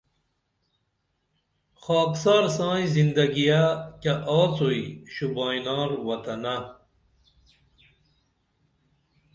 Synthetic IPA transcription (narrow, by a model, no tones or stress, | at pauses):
xɑːksaːɾsɑ̃ːizind̪ɐɡijakaʔaːt͡soiɕubaːjnaːɾwɐt̪ɐna